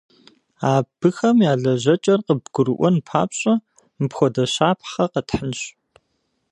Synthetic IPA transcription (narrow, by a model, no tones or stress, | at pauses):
aːb̥ɨxɐmjaːɮɐʑɐt͡ʃʼɐrqəbɡʷʊɾɨʔʷɔnpʰa̰ːpɕʼɐ | mɨpxʷɔdɐɕaːpʰχɐqətħənɕ